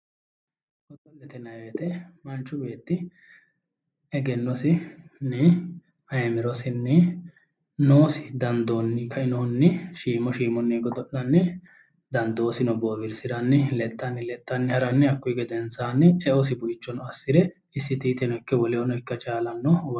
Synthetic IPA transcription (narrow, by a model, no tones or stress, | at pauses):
ɡ̥ɔd̪ɔlːɛt̪ɛnɐjet̪ɛmɐnt͡ʃːʊbe̞ːt̪ːɪ | ɛɡɛnːɔsɪnːɛ | ɐjmɪɾɔsɪnːɛ | noːsɪd̪ɐnd̪onːɪkʰɐɪnɔnːɛʃiːmɔʃiːmɔnːɛɡɔd̪ɔʔɐnːɪ | d̪ɐnd̪o̞ːsɪnɔboːbɪɾsɪd̪ɐnːɪlɛt̪ʼːɐnːɪlɛt̪ʼːɐnːɪhɐɾɐnːɪɐkːʊjɡɛd̪ɛnsaːnːɪɛɔs̬ɪbʊɪt͡ʃːɔnɔɐsːɪɾɛ | ɪsːɪt̪iːt̪ɛnɔɪkːɛwɔlɛɔnɔɪkːɐt͡ʃaːlɐnːɔw